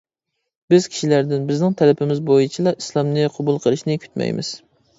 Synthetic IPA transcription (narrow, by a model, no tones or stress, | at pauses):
bɪz̥kʲʰi̥ʃilæɾd̪ɪnbɪznɪŋt̪ʰɛlɪpʰɪmɪzbojit͡ʃʰilˠɑʔislˠɑmnɨqʰɑbulˠqʰəlˠɨʃnɪkʲʰy̥t̪mɛ̰jmɪ̰z̥